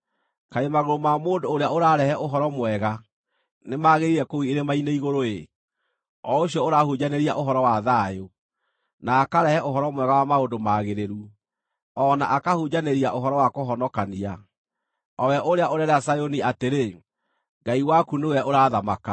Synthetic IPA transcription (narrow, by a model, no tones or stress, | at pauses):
kaemaɣoɾomamoːndoːɾeaoɾaɾɛhɛʔoɦɔɾɔmwɛɣa | nemaɣeɾiɾɛkowieɾemaineiɣoɾoe | ɔoɕjɔoɾahud͡ʑaneɾiaʔoɦɔɾɔwaðaːjo | naːkaɾɛhɛʔoɦɔɾɔmwɛɣawamaondomaːɣeɾeɾu | ɔnaʔakahud͡ʒaneɾiaʔoɦɔɾɔwakoɦɔnɔkania | ɔwɛʔoɾeaʔoɾɛɾɛasajoniateɾe | ŋɡaiwakuneowɛʔoɾaːðamaka